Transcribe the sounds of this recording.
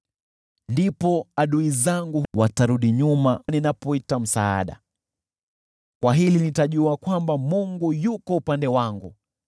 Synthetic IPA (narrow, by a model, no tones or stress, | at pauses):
ndipɔaɗuizaŋɡuwataɾuɗiɲumaninapɔitam̩saa̰ɗa̰ | kwaɦilinitaʄuakwambamuŋɡujukɔupandɛwaŋɡṵ